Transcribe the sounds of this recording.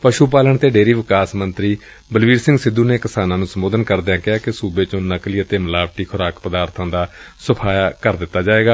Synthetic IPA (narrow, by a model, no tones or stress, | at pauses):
pəʃuːpaːləɳt̪eːɖeːɾiːʋɪkaːsmənt̪ɾiː | bəlʋiːɾsɪ̃ŋɡsɪd̪uːneːkɪsaːnãːnũːsəmoːd̪ənkəɾd̪eãːkɪɦaːkɪsuːbeːt͡ʃõːnəkliːət̪eːməlaːʋʈiːkʰʊɾaːkpəd̪aːɾt̪ʰãːd̪aːsəpʰaːjakəɾd̪ɪt̪ːaːd͡ʒaːeːɡaː